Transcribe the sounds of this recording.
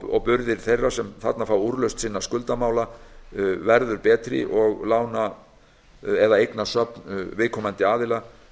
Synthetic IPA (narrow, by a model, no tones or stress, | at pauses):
ɔ̰pʏɾðɪɾ̥θejrːasɛmθa̰t̪nafaːwuɾlœɥwst̪sɪnːaskʏlt̪amaːwla | vɛɾðʏɾpɛːt̪ɾɪ̰ʔɔɣlaːwna | ɛðaejknasœpnvɪːkʰɔːmant̪ɪaːðɪla